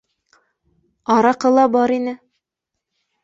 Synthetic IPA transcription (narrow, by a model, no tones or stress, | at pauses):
ɑɾɑqɤ̆lˠɑbɑɾinɘ